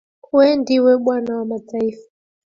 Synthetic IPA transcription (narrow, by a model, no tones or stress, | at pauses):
uɛndiwɛɓwanawamad͡zaiːfḁ